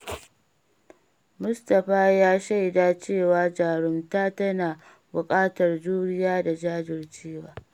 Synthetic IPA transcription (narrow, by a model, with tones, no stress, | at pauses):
mʊ˦stɐ˨ɸaː˦jaː˦ʃa˦jdaː˦t͡ʃeː˦˨waː˦d͡ʒaː˨ɽʊ˦mtaː˦tɐ˦naː˨ | bʊ˨kʼaː˦tɐ˨rd͡ʒuː˦ɽɪ˦jaː˦da˨d͡ʒaː˦d͡ʒɪ˨rt͡ʃeː˦waː˦